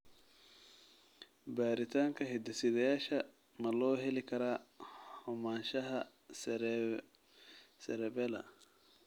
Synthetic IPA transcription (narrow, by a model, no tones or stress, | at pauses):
baːɾɪt̪ʰaːŋkʰɐɦɛd̪ɐsɪðɐjaːʃɐ | mɐlɔːɦɛlɪkʰɐɾaːhɔmaːnʃɐɦɐ | sɛɾɛbɛlɐ̰